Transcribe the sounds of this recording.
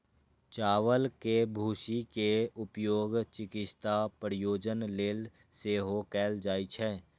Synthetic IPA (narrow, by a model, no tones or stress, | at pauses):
t͡ʃaːwəlkebʱuːʃikeʊpjoːɡt͡ʃɪkɪt͡ʃt̪apɾɪjoːd͡ʒənleːl | seːɦokɛːld͡ʒaːit͡ʃʰɛː